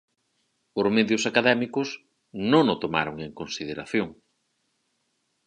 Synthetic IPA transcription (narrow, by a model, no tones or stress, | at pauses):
oɾmeðjʊsakaðɛmikʊs | nõŋʊt̪oma̰ɾoŋeŋkõnsiðeɾaθjoŋ